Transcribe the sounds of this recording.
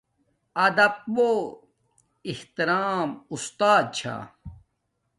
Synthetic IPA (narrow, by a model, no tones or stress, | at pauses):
ɐd̪ɐp̚bo | iht̪iɾaːmust̪aːd̪̚t͡ɕʰa̰